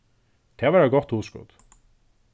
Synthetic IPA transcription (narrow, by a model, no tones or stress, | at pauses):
t̪ʰeːʋæɾɑɡɔt̪uːskʊ̰d̪̥